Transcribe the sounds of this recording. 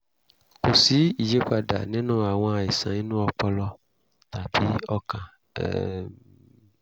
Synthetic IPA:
ko˨si˨˦i˨d͡ʒe˦k͡pa˨ɖa̰˨nɛ̃˦nɔ̃˦a˨wɔ̃˦a˨e˨sã˨i˦nũ˦ɔ˨k͡pɔ˦lɔ˦ | t̪a˨bi˦ɔ˦kã̰˨

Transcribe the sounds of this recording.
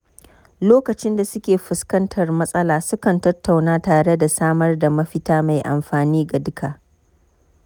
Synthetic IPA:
loː˦kɐ˨t͡ʃɪ˦nda˨sʊ˦kʲeː˨ɸʊ˨skɐ˦ntʰɐ˨rmɐ˦sʼɐ˦laː˨sʊ˦kɐ˨ntɐ˦tːa˨wnaː˦taː˨ɽe˦da˨saː˦mɐ˦rda˨mɐ˦ɸɪ˦taː˦ma˨jʔa̰˨mɸaː˨niː˦ɡa˨dʊ˦kaː˨ʔ

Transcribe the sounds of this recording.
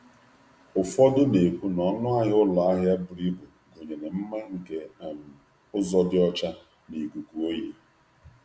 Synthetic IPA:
ʊ˨fɔ˦dʊ˦ne˨kʷu˦nɔ˨nʊ˦a˦ɲɪ˦ʊ˦la˨a˦ɦja˦bʊ˨ɾi˦bʊ˨ | ɡo˨ɲe˨ne˨m̩˦ma˦ŋ̩˨ke˨a˨m̩˨ | ʊ˦zɔ˦dɪ˦ɔ˦t͡ʃa˦ | ni˨ɡu˨ku˨o˦je˦

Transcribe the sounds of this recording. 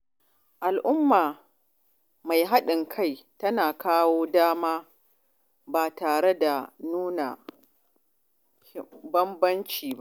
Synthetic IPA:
ʔa˨lʔʊ˦mːaː˨ | ma˨jɦa˦ɗɪ˨ŋkʰa˦˨jtɐ˦naː˨kaː˦woː˦daː˦maː˦ | baː˨taː˨ɽe˦da˨nuː˦na̰˨˦ | bɐ˦mbɐ˦nt͡ʃiː˨ba˦ʔ

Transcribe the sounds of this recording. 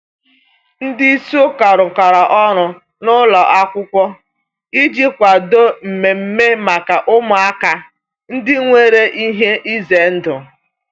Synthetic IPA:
n̩˦dɪ˦so˦ka˨ɾʊ˨kʷa˨ɾa˨ʔɔ˦ɾʊ˨ | nʊ˦lɔa˨ʔa˦kʷʊ˦kʷɔ˦ | i˦d͡ʒi˦kʷa˨do˦m̩˨me˨m̩˦me˦ma˨ka˨ʔʊ˦mʊ˨a˦ka˨ | n̩˦dɪ˦ŋʷe˦ɾe˦ʔi˦ɦe˦ʔi˦ze˨n̩˦dʊ˨

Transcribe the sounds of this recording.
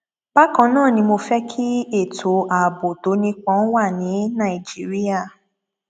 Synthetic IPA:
ba˦kã˧nãː˦˨nĩ˧mo˧fɛ˦kʰi˦e˦˨tʰo˨ʔa˨bo˨to˨˦nĩ˧k͡pã˨˦wa˦˨nĩ˨˦nã˦˨i˨d͡ʒi˦ɾi˦a˦˨

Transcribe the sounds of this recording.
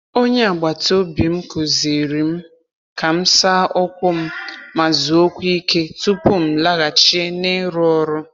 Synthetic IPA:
o˦ɲe˦a˨ɡ͡ba˨to˦bi˨m̩˦ko˨zi˨ɾi˨m̩˦ | ka˨m̩˦sa˦ʔɔ˦kʷʊ˦m̩˦ma˨zu˨o˦kʷi˦ke˦tu˦pu˦m̩˦˨la˦ɣa˨t͡ʃi˦e˦ne˦ɾɔ˦ɾʊ˦

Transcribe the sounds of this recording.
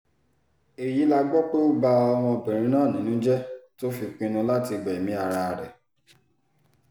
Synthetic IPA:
e˨ji˨˦la˧ɡ͡bɔ˦k͡po˦ba˧ɔ˧w̃ɔ̃˧bĩ˨ɾ̃ĩ˨˦nãː˦˨nĩ˨˦nũ˦d͡ʒɛ˦to˦fi˧k͡pĩ˧nũ˧la˦ti˧ɡ͡bɛ˨e˨mĩ˨˦a˦˧ɾa˧˨ɾɛ̰˨

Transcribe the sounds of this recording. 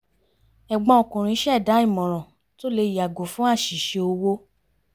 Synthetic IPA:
ɛ˨ɡ͡bɔ̃˧˦o˨kũ˨ɾ̃ĩ˧˦ʃɛ˦˨da˨˦i˦˨mɔ̃˨ɾ̃ɔ̃˨ | to˦˨le˧i˨ja˨ɡo˨fũ˦a˦˨ʃi˨ʃe˧o˧wo˦

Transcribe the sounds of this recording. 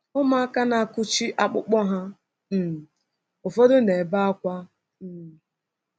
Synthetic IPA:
ʊ˦ma˦a˦ka˦na˨a˨kʊ˦t͡ʃi˦ʔa˦k͡pʊ̰˦k͡pɔ˦ɦa˦ | m̩˨ | ʊ˨fɔ˦dʊ˦ne˨ba˦a˦kʷa˦˨

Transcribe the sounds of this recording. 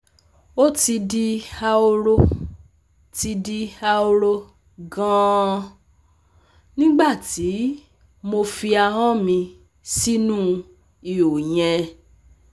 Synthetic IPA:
o˦ti˧di˧a˧o˧ɾo˦ | ti˧di˧a˧o˧ɾo˧ | ɡã˦˧˦ | nĩ˦ɡ͡ba˦˨ti˨˦ | mo˧fi˧a˧ɦã˦mĩ˧ | si˦nũ˦ | i˨o˨j̃ɛ̃˨˧

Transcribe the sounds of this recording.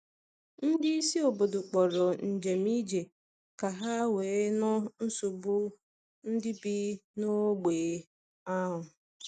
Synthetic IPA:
n̩˦dɪ˦i˦si˦o˨bo˨dʊ˨k͡pɔ˨ɾɔ˨n̩˨d͡ʒe˨mi˦d͡ʒe˨ | ka˨ɦa˦weː˨˦nʊ˦n̩˦su˨bʊ˦ | n̩˦dɪ˦bi˦no˦ɡ͡beː˨˦ | a˦ɦʊ˨

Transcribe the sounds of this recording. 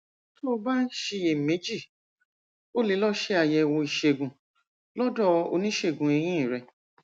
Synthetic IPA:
to˦˨˧ba˦n̩˦ʃe˧je˨me˨˦d͡ʒi˦˨ | o˦le˧˦lɔ˦ʃe˧˦a˧˨jɛ˧wɔ̃˧i˨ʃe˧˨ɡũ˨ | lɔ˦dɔ˦o̰˧nĩ˦ʃe˦˨ɡũ˨e˧j̃ĩ˦˨ɾɛ˧

